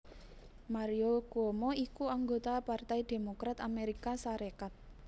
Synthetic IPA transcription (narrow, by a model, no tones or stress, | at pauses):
maɾiokuomɔikuaŋɡot̪apart̪ajd̪̥e̤mokɾat̪ameɾikasaɾekat̪̚